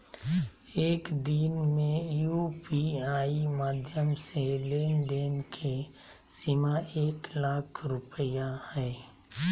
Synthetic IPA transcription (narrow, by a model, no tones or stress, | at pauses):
eːkd̪inmẽjupiaːimaːd̪ʱjəmseleːnɖeːnkʰe | sɪmaʔeːklaːkʰɾʊpəjahɛː